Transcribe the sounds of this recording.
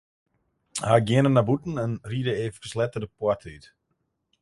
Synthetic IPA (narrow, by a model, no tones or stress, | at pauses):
haɡjɪənənːabutn̩ənriədəeːvəkəslɛtədəpwɔtʰəyt